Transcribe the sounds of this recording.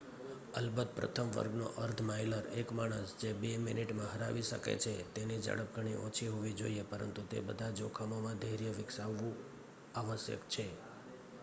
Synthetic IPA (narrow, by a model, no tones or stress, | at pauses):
əlbət̪̚pɾə̰t̪ʰəmʋə̰ɾɡno̰ʔəɾt̪ʰmajləɾekmaɽ̃əsd͡ʒebemɪniʈmãɦəɾaʋiʃə̰kḛt͡ʃʰet̪enid͡ʒə̰ɽəp̚ɡʱəɽ̃iʔɔ̃t͡ʃʰiɦoʋid͡ʒo̰iepəɾə̰nt̪ut̪ḛbəd̪ʱad͡ʒokʰamomãd̪ʱəɾjəʋɪksaʋːũ | aʋəsjə̰kt͡ʃʰe